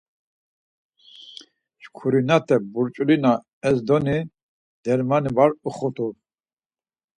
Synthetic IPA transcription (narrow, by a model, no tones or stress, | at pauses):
ʃkʰuɾinat̪ʰʼɛbuɾt͡ʃʼulina | ɛzd̪ɔni | d̪̥ɛɾmanibaɾuχut̪ʰʼu